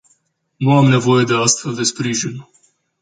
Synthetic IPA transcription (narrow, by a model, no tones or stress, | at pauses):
nuamne̞vo̞je̞d̪e̞ast̪fe̞ld̪e̞spɾiʒin